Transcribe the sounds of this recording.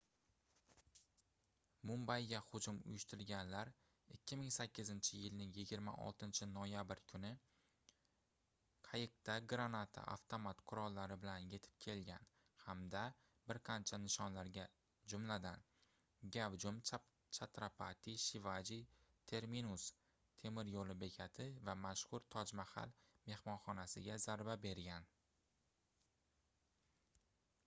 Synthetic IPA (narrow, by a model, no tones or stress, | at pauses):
mʊmbajɡahʊd͡ʒʊmʊ̰jʊʃt̪ʊɾɪlɡʲanlaɾ | ɪkʲːɪmɪŋsakʲːɪzɪnt͡ʃʰɪjɪlnɪŋjɪɡʲɪɾma̰ʔɒ̰lˠt̪ɪnt͡ʃʰɪnojabɪɾkʰʊnɪ | qʰɑjɪq̚t̪ʰaɡɾanat̪ʰa̰ʔa̰ft̪ʰomat̪qʰʊɾɒlˠːaɾɪbɪlanje̞t̪ʰɪ̥p̚kʲʰe̞lɡʲan | hamd̪a | bɪɾqʰɑnt͡ʃʰanɪʃɒnlaɾɡʲa | d͡ʒʊmlad̪an | ɡʲavd͡ʒʊm | t͡ʃʰat̪ɾapʰat̪ʰiʃɪvad͡ʒit̪ʰe̞ɾminus | t̪ʰe̞mɪɾjolɪbe̞kʲʰat̪ʰɪvamaʃhʊɾt̪ʰɒd͡ʒmaha̰lme̞hmɒnχɒnasɪɡʲazaɾbabe̞ɾɡʲan